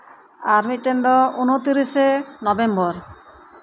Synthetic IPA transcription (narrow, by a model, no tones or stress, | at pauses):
aɾmiʈend̪ɔunot̪iɾisenɔbembɔɾ